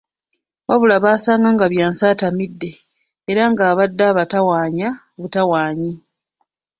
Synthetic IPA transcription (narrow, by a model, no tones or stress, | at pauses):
βaβulaβaːsaːŋɡaŋɡaβjaːnsaːtamidːe̞ː | ɾaŋɡaːβadːaːβatawaːɲaoβutawaːɲi